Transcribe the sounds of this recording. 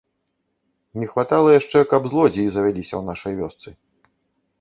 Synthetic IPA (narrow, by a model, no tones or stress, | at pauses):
nʲɛxvat̪alˠɐjaʂt͡ʂɛkɐbzlˠɔd͡zʲiːzɐvʲalʲisʲɐwnaʂɐjvʲɔst̪sɨ